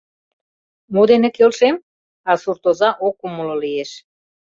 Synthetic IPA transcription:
mod̪enĕkelʃem | ɑsurt̪ozɑʔokːuməlolijeʃ

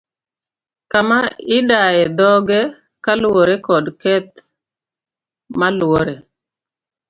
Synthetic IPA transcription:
kamaɪdajɛd̪ɔɡɛ | kalwoɾɛkɔdkɛt̪̚ | malwoɾe

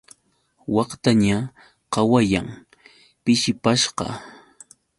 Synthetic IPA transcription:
wɑqt̪aɲa | qɑwajaŋ | pɪʃɪpaʃqɑ̰

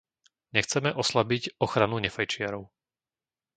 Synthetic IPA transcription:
ɲɛxt͡sɛmɛʔɔslabicɔxɾanuɲɛfajt͡ʃɪaɾɔʊ

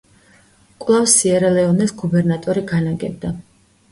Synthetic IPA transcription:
kʼwlˠafsiɛɾɛlɛɔnɛsɡubɛɾnat̪ʼɔɾiɡanaɡɛ̰bd̪a

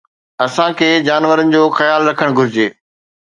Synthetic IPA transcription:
ɐsãkʰeːd͡ʑaːnʋəɾənɪ̆d͡ʑoːxɐjaːlɾɐkʰəɽ̃ɡʱʊɾɪd͡ʑeː

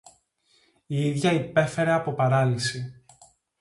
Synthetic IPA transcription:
iiðʝɐipe̞fe̞ɾe̞ɐpo̞pɐɾɐlisi

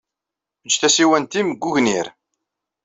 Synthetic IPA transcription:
əd͡ʒːθæsiwænt̪imɡːuʝniɾ

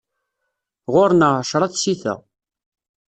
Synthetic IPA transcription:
ʁoɾnəʕʃɾˤɑt͡ssiθæ̰

